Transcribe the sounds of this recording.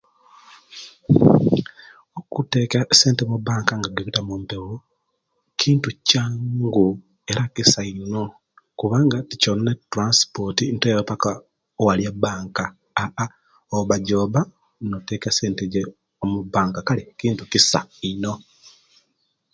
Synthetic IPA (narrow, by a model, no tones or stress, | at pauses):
okutekseːnteβuβaːŋkaŋɡaɡeβitamumpeɣo | cʰiːntucaːŋɡu | e̞ɾakisaino̞ | kuβaːŋɡaticononetːɾanspotintejopaka | owaljabaːŋkaː | ʔa | oβaɟoːβa | notekaseːnteɟe | omuβaːŋkakalikiːntucisa̰ino̞